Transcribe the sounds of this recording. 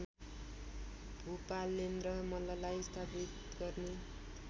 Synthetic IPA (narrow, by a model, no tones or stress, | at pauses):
bʱupalːenrʌmʌlʌlajst̪ʰapit̪ | ɡʌrne